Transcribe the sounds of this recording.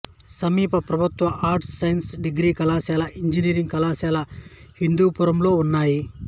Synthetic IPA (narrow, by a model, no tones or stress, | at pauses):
sɐmiːpɐpɾɐbʱut̪ʋɐʔaːɾʈsːɐjɐnsɖiɡɾiːkɐlaːsaːlɐʔiɲd͡ʒiniːɾiŋɡkɐlaːsaːlɐ | hind̪uːpuɾɐmlo̞ːunːaːji